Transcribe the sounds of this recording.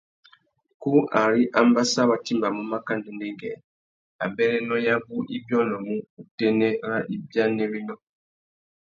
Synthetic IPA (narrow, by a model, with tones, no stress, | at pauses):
ku˦ʔa˨ɾi˦ʔa˦mba˦sa˦βa˨ti˦mba˨mu˦ma˦ka˦ndi˨ndɛ˦ŋɡɛ˨ | a̰˨bɛ˦ɾɛ˦nɔ˦ja˦bu˦i˦bjɔ˦nɔ˨mu˦u˨tɛ˦nɛ˦ɾa˦ʔi˦bja˦nɛ˦ɾi˦nɔ˦